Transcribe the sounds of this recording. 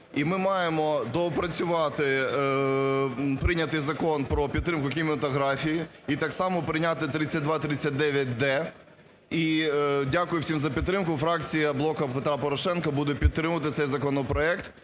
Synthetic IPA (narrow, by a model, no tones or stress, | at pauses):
imɪmɑjemɔd̪ɔpɾɐt͡sʲʊʋɑt̪ɪ | pɾɪnʲɐt̪ɪjzɐkɔnpɾɔpʲid̪̚ːɾɪmkʊkʲimʲɪɐt̪ɔɦɾɑfʲiji | it̪ɑksɑmɔpɾɪjnʲat̪ɪt̪ɾɪt͡sʲːɐt̚ʲd̪ʋɑt̪ɾɪt͡sʲːɐt̚ʲd̪ɛʋʲjɐt̚ʲd̪ɛ | idʲakʊjʊwsʲimzɐpʲid̪t̪ːɾɪmkʊfɾɑkt͡sʲijɐblˠɔkɐpet̪ɾɑpɔɾɔʃɛnkɐbud̪ɛpʲid̪t̪ːɾɪmʊʋɐt̪ɪt̪sɛjzɐkɔnɔpɾɔɛkt̪